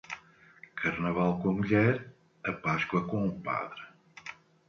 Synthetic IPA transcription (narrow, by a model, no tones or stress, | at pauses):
kʰɐɾnɐvalˠkõɐmuʎɛɾ | ɐpaʃkwɐkõũpa̰ðɾɨ